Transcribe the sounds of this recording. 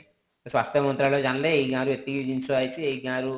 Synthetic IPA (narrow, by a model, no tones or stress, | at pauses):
sʋaːst̪jɐmɐnt̪ɾaːloːd͡ʒɐnɐleejɡaːɾuet̪ːiɡiid͡ʒiɲt͡ʃuaːjt͡ʃiejiɡaːɾu